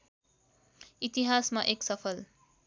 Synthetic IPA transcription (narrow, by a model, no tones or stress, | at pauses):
it̪iɦasmaʔeksʌpʰʌl